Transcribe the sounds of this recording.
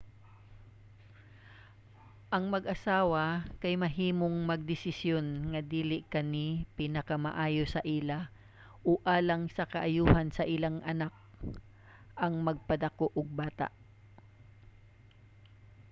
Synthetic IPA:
ʔɐŋmɐɡʔɐsaːwɐkɐjmɐɦiːmoŋmɐɡ̚d̪ɪsɪsjo̞nŋɐd̪iːlɪkɐnipinɐkɐmɐ̰ʔaːjosɐʔila | ʔoʔaːlɐŋsɐkɐʔɐjuːhɐnsɐʔɪlaŋʔɐnak̚ | ʔɐŋmɐɡ̚pɐd̪ɐkoʔʊɡ̚baːt̪a̰ʔ

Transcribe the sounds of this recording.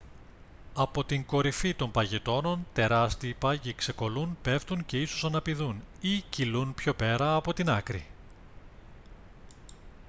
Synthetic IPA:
ɐpo̞t̪iŋko̞ɾifit̪o̞mpɐʝe̞t̪o̞no̞nt̪e̞ɾɐst̪iːpɐʝikse̞ko̞lunpe̞ft̪unce̞isosɐnɐpiðunicilunpço̞pe̞ɾɐːpo̞t̪inɐkɾḭ

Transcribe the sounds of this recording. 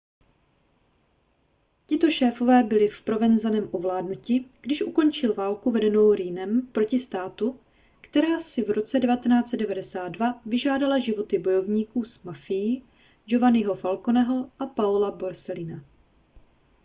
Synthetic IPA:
cɪt̪o̞ʃɛːfo̞vɛːbɪlɪfpɾo̞vɛnzanɛːmʔovlaːdnucɪɡ̥dɪʃʔuko̞nt͡ʃɪlvaːlkuvɛdɛnowɾiːnɛmpɾo̞cɪst̪aːt̪u | kt̪ɛɾaːsɪvɾo̞t͡sɛdɛvat̪ɛnaːt͡sɛddɛvadɛsaːd̪̚dvavɪʒaːdalaʒɪvo̞t̪ɪbo̞jo̞vɲiːkuːsmafɪjɪ | d͡ʒo̞vanɪɦo̞falkonɛɦo̞ʔapaulaboɾsɛlɪna

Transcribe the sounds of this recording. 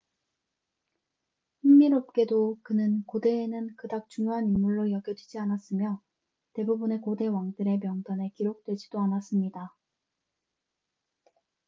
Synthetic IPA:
hinːiɾop̚k͈e̞dokɯnɯnkode̞ːnɯnkɯdak̚t͡ɕuŋjoɦanimːuɭːojʌɡjʌd͡ʑid͡ʑianas͈ɯmjʌ | te̞bubune̞kode̞waŋdɯɾe̞mjʌŋdane̞kiɾok̚t͈we̞d͡ʑidoanas͈ɯmɲida

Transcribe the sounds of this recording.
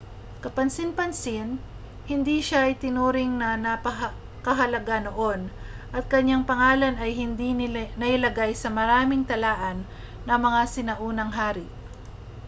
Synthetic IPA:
kɐpɐnsɪnpɐnsɪn | hɪnd̪iʃaɐjt̪ɪnuːɾɪŋnɐnɐpɐɦ | kɐɦɐlɐɡanoʔo̞n | ʔɐt̪̚kɐɲːaŋpɐŋaːlɐnɐjɦɪnd̪inɐʔɪlɐɡajsɐmɐɾaːmɪŋt̪ɐlaːʔɐnː | ɐmɐŋasɪnɐʔuːnɐŋɦaːɾɪ

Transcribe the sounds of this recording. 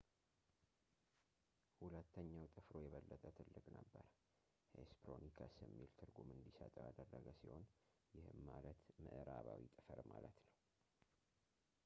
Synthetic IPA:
hulət̪ːəɲːawt̪ʼɨfɾo̞jɛβəlːət̪ʼət̪ʰɨlːɨkʼnəbːəɾ | hḛspɾo̞nikʰasɨmːilt̪ʰɨɾɡumɨnd̪isə̰t̪ʼəwad̪ərːəɡəsiho̞n | jɪhɨmːalət̪mɨʔɨɾaβawit̪ʼɨfəɾmalət̪nəw

